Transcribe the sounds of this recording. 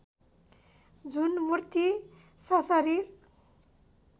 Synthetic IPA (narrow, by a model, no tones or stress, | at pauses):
d͡zunmurt̪i | sʌsʌɾir